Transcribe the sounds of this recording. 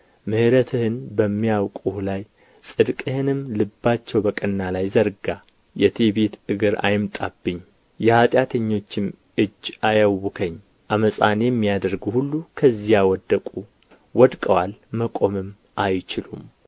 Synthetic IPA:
mɨhɨɾət̪ʰɨhɨnbəmːijawkʼuhlaj | sʼɨd̪kʼəhɨnɨmlɨbːat͡ʃːɛwbəkʼənːalajzəɾɡa | jɛt̪ʰebet̪ɨɡɨɾa̰jɪmt̪ʼa̰bːɨɲː | jɛhat̪ʼjat̪ʰəɲːo̞t͡ʃːɪm | ʔɨd͡ʒːʔajawɨkʰəɲː | ʔaməsʼanjɛmːijad̪əɾɡhulːukʰəzːijawɔd̪ːəkʼu | wɔd̪kʼəwalməkʼo̞mɨm | ʔajt͡ʃɪlum

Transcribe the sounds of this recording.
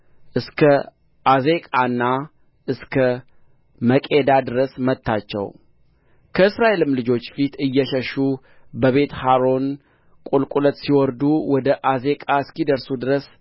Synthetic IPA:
ʔɨskʰə | ʔaze̞kʼaɨnːa | ʔɨskʰə | məkʼe̞d̪ad̪ɨɾəsmət̪ʰːat͡ʃːɛ̰w | kʰəɨsɾaʔe̞lɨmlɨd͡ʒo̞t͡ʃːfit̪ɨjːɛʃəʃːu | bəβe̞t̪haɾo̞n | kʼulkʼulət̪siwɔɾd̪uwɔd̪əʔaze̞kʼaɨskid̪əɾsud̪ɨɾəs

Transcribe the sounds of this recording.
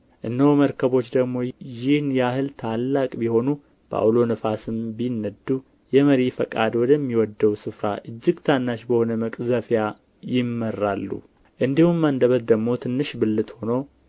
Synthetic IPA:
ʔɨnːəwməɾkʰəβo̞t͡ʃːd̪əɡmo̞jɪhnjahɨlt̪ʰalːakʼbiho̞nu | b̥a̰wlo̞nɨfasɨmbinːəd̪u | jɛməɾifəkʼad̪wɔd̪əmːiwɔd̪ːəwsɨfɾaʔɨd͡ʒːɪɡt̪ʰanːaʃbəho̞nəməkʼzəfja | jɪmːərːalːṵ | ʔɨnd̪ihumːənd̪əβəd̪d̪əɡmo̞t̪ʰɨnːɨʃbɨlːɨt̪ho̞no

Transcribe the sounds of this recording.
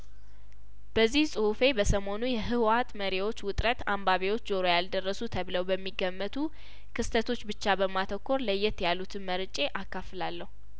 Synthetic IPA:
b̥əzːihsʼɨhufe̞bəsəmo̞nujɛɦɨwat̪məɾewo̞t͡ʃːwʊt̪ʼɾət̪ambaβewo̞t͡ʃːzo̞ɾojald̪ərːəsut̪ʰəβləwbəmːiɡːəmːət̪ʰu | kʰɨst̪ʰət̪ʰo̞t͡ʃːbɨt͡ʃːabəmːat̪ʰəkːo̞ɾləjːɛt̪jalːut̪ʰɨnməɾɨt͡ʃʼe̞ʔakːafɨlalːəhu

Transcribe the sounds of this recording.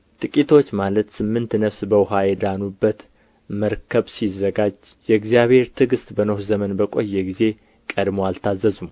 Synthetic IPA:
t̪ʼɨkʼit̪ʰo̞t͡ʃːmalət̪sɨmːɨnt̪nəfsbəwɦajɛd̪anubːət̪ | məɾkʰəβsizːəɡad͡ʒjɛɡzijaβhe̞ɾt̪ʰɨɡɨst̪ʼbənohzəmənbəkʼo̞jːɛɡize̞ | kʼəd̪moalt̪ʰazːəzum

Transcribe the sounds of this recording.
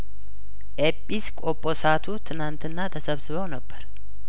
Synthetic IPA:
ʔepʼːiskʼopʼo̞sat̪ʰut̪ʰɨnant̪ʰɨnːat̪ʰəsəβsɨβəwnəbːəɾ

